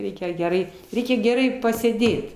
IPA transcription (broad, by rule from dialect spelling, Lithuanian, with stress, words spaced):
ˈrʲɛɪkʲɛ ɡʲɛˈrɐɪ ˈrʲɛɪkʲɛ ɡʲɛˈrɐɪ pɐsʲeːˈdʲeːt